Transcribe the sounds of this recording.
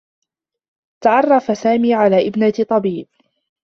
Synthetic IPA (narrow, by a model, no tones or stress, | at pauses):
t̪aʕɑrˤːɑfasaːmiːʕalaːʔɪbnat̪ˤɑbiːb̚